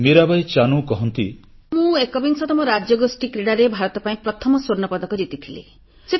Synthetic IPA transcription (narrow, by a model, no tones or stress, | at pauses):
miɾabajt͡ʃanũkɔɦɔnt̪i | mũekɔbiŋsɔt̪ɔmɔɾad͡ʒjɔɡosʈikɾeɽaɾebʱaɾɔt̪ɔpaĩpɾɔt̪ʰɔmɔsoɾnɔpɔd̪ɔkɔd͡ʒit̪it̪ʰilḛ | se